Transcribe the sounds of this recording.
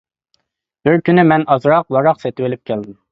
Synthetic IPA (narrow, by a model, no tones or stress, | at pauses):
b̥ɪɾkʲynɪmɛnɑzɾɑq̚wɑɾɑqsɛt̪ɪwɪlɪp̚kʲʰɛld̪ɪm